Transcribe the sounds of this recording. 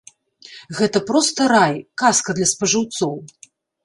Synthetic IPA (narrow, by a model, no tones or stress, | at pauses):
ɣɛt̪ɐpɾɔst̪ɐɾajkaskɐd̪lʲɐspɐʐɨwt̪sɔw